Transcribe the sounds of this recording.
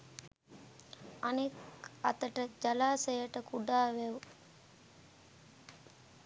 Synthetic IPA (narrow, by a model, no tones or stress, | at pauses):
aneka̰t̪əʈəd͡ʒalaːsəjəʈəkuɖaːʋɛwu